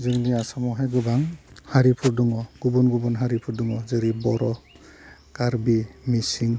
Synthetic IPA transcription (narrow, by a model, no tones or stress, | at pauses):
zɯŋniasamɔɦajɡɯbaŋhaɾipʰuɾduŋɔɡ̥ubunɡubunɦaɾipʰuɾduŋɔzɯɾibɔɾɔ | kaɾbimisiŋ